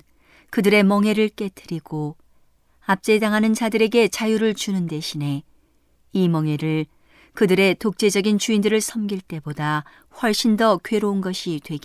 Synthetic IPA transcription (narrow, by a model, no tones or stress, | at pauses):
kɯdɯɾe̞mʌŋɦe̞ɾɯɭk͈e̞tʰɯɾiɡo | ap̚t͡ɕ͈e̞daŋɦanɯnt͡ɕadɯɾe̞ɡe̞t͡ɕajuɾɯɭt͡ɕunɯnde̞ɕʰine̞ | imʌŋɦe̞ɾɯɭ | kɯdɯɾe̞tok̚t͡ɕ͈e̞d͡ʑʌɡint͡ɕuindɯɾɯɭsʰʌmɡiɭt͈e̞boda | ɸwʌɭɕ͈indʌkɥe̞ɾounɡʌɕʰidwe̞ɡi